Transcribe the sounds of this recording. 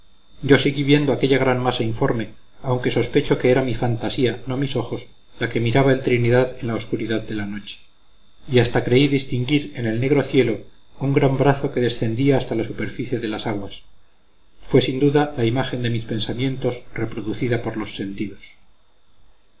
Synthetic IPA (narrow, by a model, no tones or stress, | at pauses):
ɟ͡ʝo̞siɣiβje̞nd̪oake̞ʎaɣ̞ɾanmasaiɱfo̞ɾme̞ | awŋke̞so̞spe̞t͡ʃo̞ke̞eɾamifant̪asianomiso̞xo̞s | lake̞miɾaβaelt̪ɾiniðaðe̞nlao̞skuɾiðaðd̪e̞lano̞t͡ʃe̥ | iast̪akɾe̞iðist̪iŋɡiɾe̞ne̞lne̞ɣɾo̞θje̞lo̞ | uŋɡɾambɾaθo̞ke̞ðe̞sθe̞nd̪iaːst̪alasupe̞ɾfiθje̞ðe̞lasaɣwas | fwe̞sind̪uðalaimaxe̞nd̪e̞mispe̞nsamjẽ̞nt̪o̞sre̞pɾo̞ðuθiðapo̞ɾlo̞sːe̞nt̪iðos